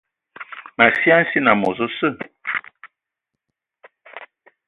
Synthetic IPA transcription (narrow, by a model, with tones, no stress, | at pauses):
ma˨sjã˦n̩˦si˦na˨mɔ˨zo˦sə˦˨